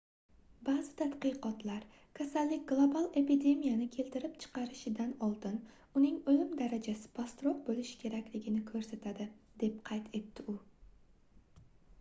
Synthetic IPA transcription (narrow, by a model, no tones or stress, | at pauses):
bazɪt̪ʰat̪qɨqɒt̪laɾ | kʲʰasalːɪkʲɡlˠobalˠe̞pid̪e̞mijanɪkʲʰe̞lt̪ɪɾɪpt͡ʃʰɨ̥qɑɾɪʃɪd̪anɒlˠd̪ɪn | ʊnɪŋolɪmd̪aɾad͡ʒasɪ̥pʰast̪ɾop̚bolɪʃkʲʰe̞ɾakʲlɪɡʲɪnɪkʰɵɾset̪ʰad̪ɪd̪̥e̞p̚qʰɑjt̪ʰe̞t̪ːɪʊ